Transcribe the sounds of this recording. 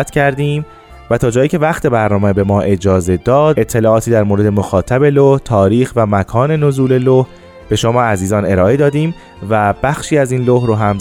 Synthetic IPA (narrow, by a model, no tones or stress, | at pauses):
t̪cʰæɾd̪iːm | væt̪ʰɒːd͡ʒɒːjiːcʰe̞væxt̪ʰe̞bæɾnɒːmebe̞mɒːʔe̞d͡ʒɒːze̞d̪ɒːd̪et̪ʰːe̞lɒːɒːt̪ʰiːd̪æɾmoːɾe̞d̪e̞moxɒːt̪ʰæbe̞loht̪ʰɒːɾiːxvæmækʰɒːne̞no̞zuːle̞loh | b̥e̞ʃomɒːæziːzɒːne̞ɾɒːʔe̞d̪ɒːd̪iːm | væb̥æxʃiːæziːnlohɾoɦæm